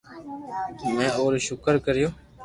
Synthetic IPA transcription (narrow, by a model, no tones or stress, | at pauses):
mɛ̃ːoːɾʃʊkəɾkəɾɪjoː